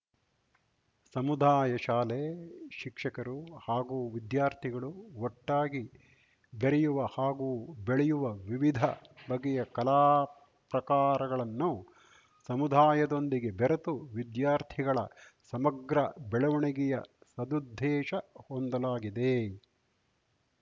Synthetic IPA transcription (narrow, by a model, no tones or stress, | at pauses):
sɐmud̪ʱaːjɐʃaːleʃikʂɐkɐɾuhaːɡuːʋid̪jaːɾt̪ʰiɡɐɭuɔʈːaːɡi | beɾɛjuʋɐhaːɡuːbeɭɛjuʋɐʋiʋid̪ʱɐbɐɡɛjɐkɐlaː | pɾɐkaːɾɐɡɐɭɐnːu | sɐmud̪ʱaːjɐd̪o̞nd̪iɡe̞beɾɐt̪uʋid̪jaːɾt̪ʰiɡɐɭɐsɐmɐɡɾɐbɛɭɐʋɐɳɛɡɛjɐ̰sɐd̪ud̪ʱːɛːʃɐhond̪ɐlaːɡid̪e